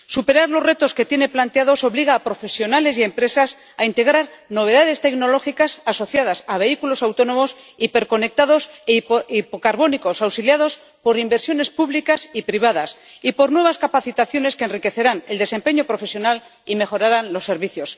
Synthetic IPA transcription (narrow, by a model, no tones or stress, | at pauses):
supe̞ɾaɾlo̞sre̞t̪o̞ske̞t̪je̞ne̞plant̪eaðo̞so̞βliɣaːpɾo̞fe̞sjo̞nale̞sie̞mpɾe̞sas | aint̪e̞ɣ̞ɾaɾno̞β̞e̞ðaðe̞st̪e̞kno̞lo̞xikasaso̞θjað̞asaβe̞ikulo̞sawt̪o̞nõ̞mo̞s | ipe̞ɾko̞ne̞k̚t̪aðo̞sipokaɾβo̞niko̞sawsiljað̞o̞s | po̞ɾimbe̞ɾsjo̞ne̞spuβlikasipɾiβ̞aðasipo̞ɾnwe̞βaskapaθit̪aθjo̞ne̞skeːnrike̞θe̞ɾane̞ld̪e̞se̞mpe̞ɲo̞pɾo̞fe̞sjo̞nal | ime̞xo̞ɾaɾanlo̞sːe̞ɾβiθjo̞s